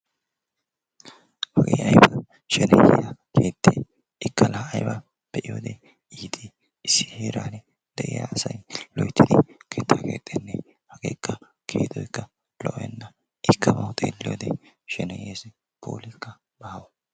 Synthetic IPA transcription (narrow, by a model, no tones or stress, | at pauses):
hɐɡeːɐjbɐ | ʃɛnɛjejɐkʰeːt̪ʼːeː | ɪkːɐlɐɐjbɐ | b̥ɛʔɪjoːd̪e | iːt̪ʼi | ɪsːɪ̥heːɾaːnɛ | d̪ɛʔɪja̰ːsɐjlɔjt̪ːɪd̪ɪkʰeːt̪ːakeːt̪ʼːɛnːɛ | hɐɡḛːkːɐ | kʰḛːt̪ɔɪkːɐ | lɔʔɔjɛnːɐ | ɪkːɐmɐhʊt̪ʼḛːlɪjoːd̪ḛʃɛnɛjeːsɛ | pʰo̰ːlɪkːɐ | b̥ɐhɐwɐ